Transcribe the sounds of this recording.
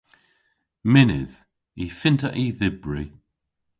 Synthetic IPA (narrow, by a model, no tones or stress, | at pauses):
mɪnɪ̰ð | ifɪntəʔiðɪbɹi